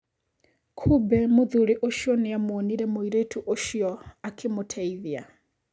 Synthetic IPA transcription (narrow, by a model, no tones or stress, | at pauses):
kʰubɛmud̪uɺiʔoʃiɔnijamuoniɾɛmuiɾetʰuʔoʃiɔakʰimutʰeiðia